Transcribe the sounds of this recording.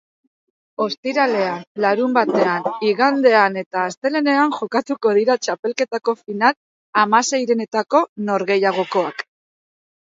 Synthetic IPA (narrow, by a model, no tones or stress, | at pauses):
o̞st̪iɾale̞anlaɾumbat̪e̞aniɣand̪e̞ane̞t̪aːst̪e̞le̞ne̞anʝo̞kat̪uko̞ð̞iɾat͡ʃape̞lke̞t̪ako̞final | amase̞jɾe̞ne̞t̪ako̞no̞ɾɣe̞jaɣ̞o̞ko̞ak